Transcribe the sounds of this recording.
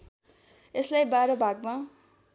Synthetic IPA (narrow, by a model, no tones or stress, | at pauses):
eslajbaɾʌbʱaɡma